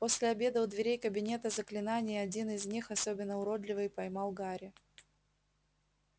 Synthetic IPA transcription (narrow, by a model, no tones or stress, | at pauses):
po̞sʲlʲɪɐbʲe̞d̪əʊd̪vʲɪɾʲejkəbʲɪnʲe̞t̪əzəklʲɪnanʲɪjɐdʲinɪzʲnʲixɐso̞bʲɪnːəʊɾo̞d̪lʲɪvɨjpɐjmɑlˠɡaɾʲɪ